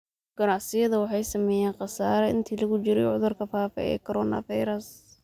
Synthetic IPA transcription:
ɡ̥ɐnɑʕsɪjɐðɐwɑħɑjsɐmɛːjɛːnqɑsaːɾɐɪ̰nt̪ʰiːlɐɣʊt͡ʃɪɾɛjʕʊðʊrkʰɐfaːfɛ̰ʔɛ̰ːkʰɔɾɔːnɐ̰fɑjɾɐs

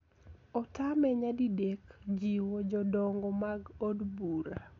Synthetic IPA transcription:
ɔtamɛɲadidekd͡ʒiwɔd͡ʒɔdɔŋɡɔmaɡodbuɾa

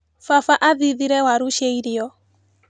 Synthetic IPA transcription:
fafaʔaðiðiɾɛwaɾuʃeiɾiɔ

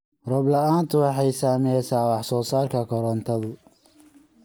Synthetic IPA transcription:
rɔblɐaːnt̪ʰʊwɑħɑjsaːmɛɛsaːwɑħsɔːsaːrkʰɐkʰɔɾɔnt̪ʰɐðʊ

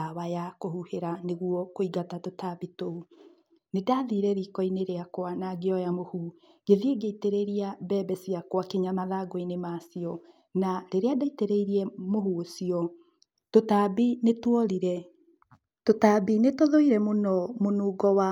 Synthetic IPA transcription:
awajakohuheɾaneɣwɔkoiɡatatotabitou | nedaːðiːɾɛɾikɔineɾeakwanaɡeɔjamohu | ɡ̥eðieɡeiteɾeɾiabɛːbɛsiakwakeɲamaðaɡoinemaːsiɔ | naɾeɾeadaiteɾeiɾiɛmohuosiɔ | totabinetwɔɾiɾɛ | totabinetoðoiɾɛmonɔmonuːɡɔwa

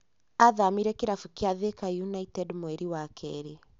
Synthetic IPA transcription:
aðamiɾɛkeɾafukeaðekajunaitɛdmwɛɾiwakʰɛ̰ɾe

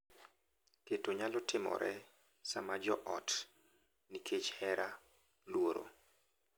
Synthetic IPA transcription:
ketoɲalɔtʰɪmɔ̰ɾʔɛ | samad͡ʒɔʔɔt | nikʰet͡ʃhɛɾa | lwoɾo̰

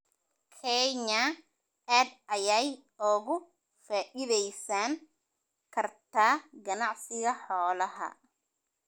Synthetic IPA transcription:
kʰɛɲɐ | aːd̪ʔɐjɛjɔːɣʊ | faːʔɪðɛjsaːŋ | kʰɐrt̪ʰaːɡɐnɑʕsɪɣɐħɔːlɐɦɐ̰

